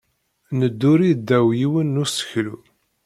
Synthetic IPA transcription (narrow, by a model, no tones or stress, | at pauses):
nəd̪ːuɾid̪ːæwjiwənːusə̥çlu